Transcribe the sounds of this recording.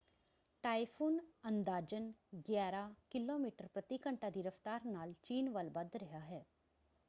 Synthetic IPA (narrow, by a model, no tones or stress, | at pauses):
ʈaːifʰuːnɐ̃nd̪aːd͡ʒənɡjaːɾakɪloːmiːʈəɾpɾət̪ikə̃ɳʈad̪iɾəft̪aːɾnaːlt͡ʃiːnʋəlbɐd̪ɾɐɦaɦɛː